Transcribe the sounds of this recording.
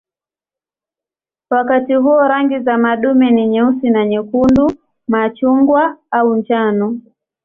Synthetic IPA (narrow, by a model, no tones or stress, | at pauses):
wakatiɦuɔɾaŋɡizamaɗumɛniɲɛusinaɲɛkundu | mat͡ʃuŋɡwaaunt͡ʃanɔ